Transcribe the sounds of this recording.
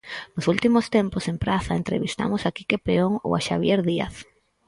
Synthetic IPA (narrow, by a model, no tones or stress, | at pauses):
nʊsult̪imʊst̪emposempɾaθaent̪ɾḛβist̪a̰mʊsakikepeoŋo̰waʃaβ̞jeɾðia̰θ